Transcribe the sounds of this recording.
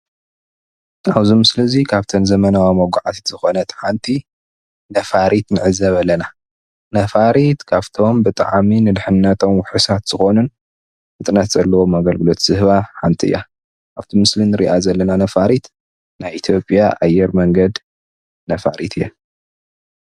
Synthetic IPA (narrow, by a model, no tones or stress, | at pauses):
aβzimɨsɨlɐzikʰaβt̪ʰɐnzɐmɐnawimɐɡʷaʕat̪ʰit̪z̥ɨxo̞nɐt̪ʰħant̪ʰi | nɐfaɾit̪nɨʕɨzɐβɐlːɐna | nɐfaɾit̪kʰaβt̪ʰo̞mbɨt̪ʼa̰ʕminɨd̪ħɨnːɐt̪ʰo̞mwʊħɨsat̪z̥ɨxo̞nunː | ɨt̪ʼnɐt̪z̥ɐlːɐwomaɡɐlɡɨlo̞t̪z̥ɨhβaħant̪ʰiɨ̰jːa | ʔaβt̪ʰimɨslinɨɾḭʔazɐlːɐnanɐfaɾit̪ | najʔit̪ʰjo̞pʼjaʔa̰jːɛɾmɐŋɡɐd̪ | nɐfaɾit̪ʰɨjɛ